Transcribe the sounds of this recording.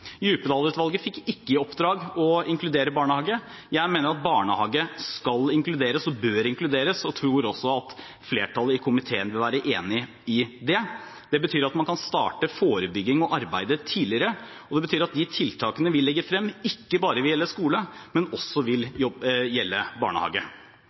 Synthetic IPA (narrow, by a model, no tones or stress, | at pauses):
jʉːpəd̪ɑːlʉːt̪ʋɑlɡəfɪkːɪkːəɔpd̪ɾɑːɡɔɪŋklʉd̪eːɾəbɑːɳəhɑːɡə | jæɪmeːnəɾɑt̪̚bɑːɳəhɑːɡəskɑlɪŋklʉd̪eːɾəsɔbøːɾɪŋklʉd̪eːɾəsɔt̪ʰɾuːɾɔsːɔɑt̪ | fleːʈʰɑlːəɪkʰʊmɪt̪ʰeːənʋɪlʋæːɾəʔeːnɪ | ɪd̪ɛ | d̪̥ɛbət̪ʰyːɾɑt̪mɑnkʰɑnst̪ɑ̰ːʈəfoːɾəbʏɡːɪŋɔʔɑɾbæɪd̪ət̪ʰiːlɪəɾə | ɔd̪ɛbət̪ʰyːɾɑt̪̚d̪ɪt̪ʰɪlt̪ʰɑːkənəʋɪlːɛɡːəfɾɛmːɪkːəbɑːɾəʋɪljɛlːəskuːləmɛnɔsːɔʋɪljɔjɛlːəbɑ̰ːɳə̰hɑ̰ːɡə